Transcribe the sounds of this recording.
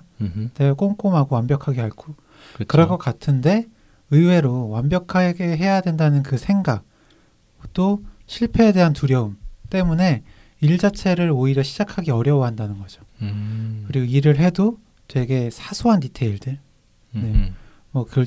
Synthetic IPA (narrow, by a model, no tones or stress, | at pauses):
nek͈oŋk͈omɦaɡowanbjʌkʰaɡe̞ɦaɭk͈ʰo | kkɯɾʌɡʌk͈atʰɯnde̞ | ɯwe̞ɾowanbjʌkʰaɡe̞ɦe̞jadwe̞ndanɯnkɯsʰe̞ŋɡak̚ | t͈oɕʰiɭpʰe̞ːde̞ɦantuɾjʌɯmt͈e̞mune̞ | iɭd͡ʑat͡ɕʰe̞ɾɯɾoiɾjʌɕʰid͡ʑakʰaɡe̞ʌɾjʌwʌɦandanɯnɡʌd͡ʑo | kɯɾiɡoiɾɯɭɦe̞do | t͡ɕwe̞ɡe̞sʰasʰuɦanditʰe̞iɭdɯɭ | ne̞ | mʌkɯ